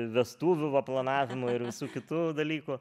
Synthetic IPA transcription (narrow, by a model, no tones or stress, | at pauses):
ʋʲɛst̪uːʋʲʊʋɐplˠɐnɑːʋʲɪmʊɪɾʋʲɪsuːkʲɪt̪uːd̪ɐlʲiːkʊ